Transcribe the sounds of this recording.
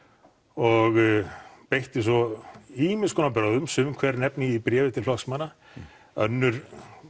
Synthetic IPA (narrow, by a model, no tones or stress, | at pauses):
ɔɣpejht̪ɪs̬ɔiːmɪnskʰɔːnapɾawðʏmsʏmkʰvɛɾnɛpnɪipɾjɛːvɪt̪ʰɪllɔksmanːa | œnːʏɾ̥